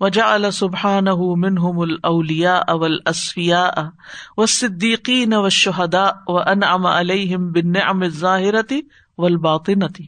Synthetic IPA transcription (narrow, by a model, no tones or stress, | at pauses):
wɐd͡ʒaʕalasʊbħaːnaɦʊmɪnɦʊmalʔawlɪjaːʔawɐlʔasfɪjaːʔ | wɐsːɪd̪ːiːqiːnawɐʃːʊɦad̪aːʔwaʔanʕamaʕalejɦɪmbɪnːɪʕamɪzːaːɦɪɾat̪ɪ | wɐlbɑːt̪ˤɨnat̪